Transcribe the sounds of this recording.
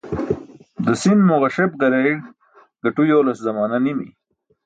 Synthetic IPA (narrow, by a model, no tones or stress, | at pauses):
d̪əsinmʊɣaʃebɡɐɾaiɽ | ɡ̥ɐʈujoːlaszɐmɑːnanimḭ